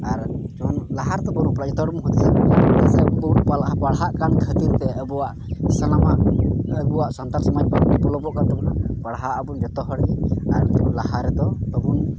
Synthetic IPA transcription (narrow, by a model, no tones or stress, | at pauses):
aɾ | d͡ʒɔunlaɦaɾt̪ɔbɔɾunpɾad͡ʒɔt̪ɔɦɔɽmuɦut̪isat̪asɛbuʈpalpaɽɦaʔkankʰət̪iɾt̪ɛəbuwaʔ | sanamaəbuwaʔsɔnt̪ansɔmajbabnipulɔbɔʔkant̪ɔbunapaɽɦaʔəbund͡ʒɔt̪ɔɦɔɽiaɾd͡ʒɔunlahaɾɛd̪ɔt̪ɔɦun